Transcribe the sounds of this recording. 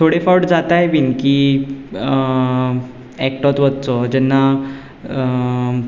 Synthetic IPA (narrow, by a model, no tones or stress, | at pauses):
t̪ʰoɽefawɽd͡zat̪ajbinki | ɛk̚ʈɔt̪ʋət̪̚t͡sɔd͡ʑɛnːa